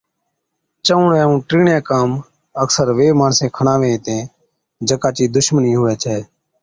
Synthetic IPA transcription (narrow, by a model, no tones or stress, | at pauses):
t͡ʃəʊɳɛ̃ːũːʈɾiːɳjãːkaːm | əksəɾʋeːmaːnsẽːkʰəɳaːʋẽːt̪ẽː | d͡ʒəkaːt͡ʃiːd̪ʊʃməniːɦʊːʋɛːt͡ʃʰɛː